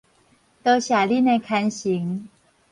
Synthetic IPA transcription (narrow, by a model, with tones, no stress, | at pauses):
t̪ɤ˧ɕja˨˩li˥˧˨ne˧˩kʰa˧nɕi˨˦ŋ